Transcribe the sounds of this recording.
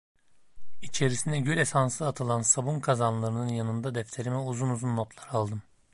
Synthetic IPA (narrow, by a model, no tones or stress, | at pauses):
it͡ʃʰe̞ɾisind̪ɛɟylʲesansɯat̪ʰɯlˠansabunkʰazanlˠaɾɯnɯnjanɯnd̪ad̪ɛft̪ʰe̞ɾimɛuzunuzunːot̪lˠaɾalˠd̪ɯm